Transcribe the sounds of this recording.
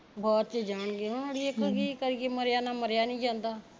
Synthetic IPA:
bɔːt̪t͡ʃəd͡ʒaːɳɡeːɦʊnaːɽiekɡiːkəɾɡeːməɾjaːnaːməɾjaːnĩːd͡ʒãːnd̪aː

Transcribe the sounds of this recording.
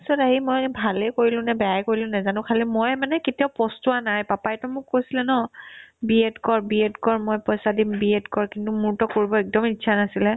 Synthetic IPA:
sɔtaɦimojbʱalɛkoɹilʊ̃nɛbɛjajkoɹilʊ̃nɛzanʊkʰalimɔjmanɛketijaʊpɔstuanajpapajtɔmʊkːojsilɛnɔbietkɔɹbiedkɔɹmɔjpɔjsadimbiedkɔɹkintumuɹtɔkoɹibɔɛk̚dɔmitːsʰanasilɛ

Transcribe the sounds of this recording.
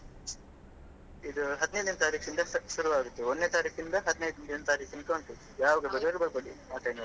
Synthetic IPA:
id̪uɦɐd̪inɐjd̪inɐt̪aːɾiːkd̪ind̪ɐʃuɾuʋaːɡut̪ːeonːet̪aːɾiːkʰd̪ind̪ɐɦɐd̪inɐjd̪ind̪inːɐt̪aːɾiːkinkːɳʈ̪u | jaːʋɐɡebɐɾeɾubɐɾboɽimaːʈɐnɐ

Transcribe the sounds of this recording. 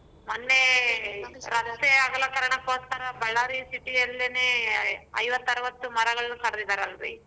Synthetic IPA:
mɐnːe | ɾɐt̪eaːɡɐlːɐkɐɾɐɳɐkoːst̪ɐɾɐbɐɭːaːɾisiʈiɐlːeneɐjʋɐt̪ːɐɾɐʋɐt̪ːumɐɾɐɡɐɭkɐɾɐd̪id̪aːɾɐlɾḭ

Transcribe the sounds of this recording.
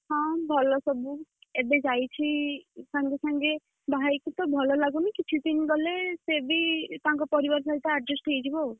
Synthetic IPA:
ɦɔ̃bʱɔlɔsɔbuebed͡ʒajt͡ʃʰisaŋɡesaŋɡe | bʱaajkut̪ɔbʱɔlɔlaɡunikit͡ʃʰut̪iniɡɔlesebit̪ãŋkɔpɔɾibɔɾs̬ait̪aaɖɾesʈʰejd͡ʒibɔ

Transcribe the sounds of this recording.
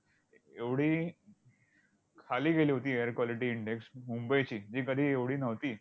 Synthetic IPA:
eʋɽ̤iː | kʰaliːɡʱeliːɦot̪iːejəɾkʋaliʈiːiɳɖeksmumbəjt͡ɕiːd͡ʑiːkəd̪ʱiːeʋɽiːnəʋt̪iː

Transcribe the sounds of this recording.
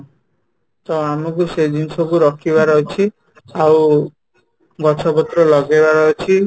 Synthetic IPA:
t̪ɔamɔk̬usejd̪insɔkuɾɔkʰibaɾɔɦet͡ʃʰi | aw | ɡɔt͡ʃʰɔbɔt̪ɾɔlɔɡebaɾɔɦjt͡ʃʰi

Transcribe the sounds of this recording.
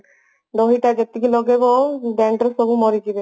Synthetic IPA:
d̪ɔɦiʈad͡ʒet̪ikilɔɡebɔɖɛɳɖɔɾsɔbumɔɾiɡibe

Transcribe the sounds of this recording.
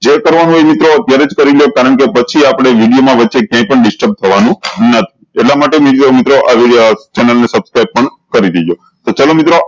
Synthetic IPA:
d͡ʒekəɾʋanũemit̪ɾoət̪jaɾed͡ʒkəɾiljokaɾəɳ̃kepət͡ʃʰiapɽ̃eʋiɽijomãʋət̪ːʃekjãĩpəɳɖɪsʈəɾb̚t̪ʰəʋanũnət̪ʰi̥ | eʈlamaʈemiomit̪ɾoʔaʋit͡ʃɛnəlnesəbskɾajb̚pəɳkəɾid̪id͡ʒo | t̪ot͡ʃalomit̪ɾo

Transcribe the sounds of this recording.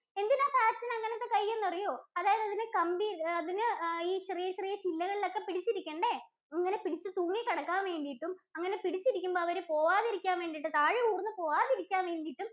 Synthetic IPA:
e̞nd̪inaːpaːtːɐnɐŋːɐnet̪ːe̞kɐjːenːupɐrijoːɐðaːjɐðɐðinɨkɐmbiɐðinɨiːt͡ɕerijɐt͡ɕerijɐt͡ɕilːɐɣɐɭilo̞kːe̞piɽit͡ɕːiɾikʲːeːɳɖe | iŋːɐne̞piɽit͡ɕːɨt̪uːŋːikɐɽɐkːaːnʋe̞ːɳɖijiʈːumɐŋːɐne̞piɽit͡ɕːiɾikʲːumboːɐʋɐɾepo̞ːʋaːðiɾikʲːaːnʋe̞ːɳɖijiʈ̬ːɨt̪aːɻiuːrnːɨpo̞ːʋaːðiɾikʲːaːmʋe̞ːɳɖijiʈːum

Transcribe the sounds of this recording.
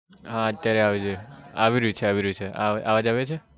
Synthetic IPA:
ɦãət̪ːjaɾeaʋid͡ʒeaʋiɾəut͡ʃʰeaʋiɾəut͡ʃʰea̰ʔa̰ʋad͡ʒaʋet͡ʃʰe

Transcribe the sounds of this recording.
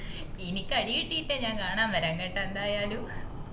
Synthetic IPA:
inikʲːɐɽijiʈːiːtːeɲãːŋkaːɳaːmʋɐɾɐŋːɐʈːɐnd̪aːjaːlu

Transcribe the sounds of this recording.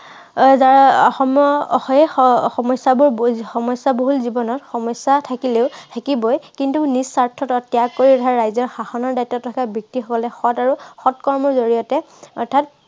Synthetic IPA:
zaɹɔxɔmɔɔxɔɛxɔmɔjsabʊɹxɔmɔjsaboɦulzibɔnɔtxɔmɔjsːatʰakileʊtʰakibɔjkintunisːaɹtʰɔtɔtjakːoɹiɔtʰaɹajzɔɹxaxɔnɔɹdajtːɔtːʰakabik̚tixɔkɔlɛxɔtaɹuxɔtkɔɹmɔɹzoɹijɔtɛ | ɔɹtʰat̚

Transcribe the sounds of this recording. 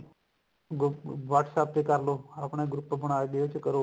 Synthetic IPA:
ɡʋaːʈʰsaːp̚t̪ekəɾloːaːpɳ̃eːɡɾʊpːbəɽ̃aːeɠəjoːt͡ʃkəɾoː

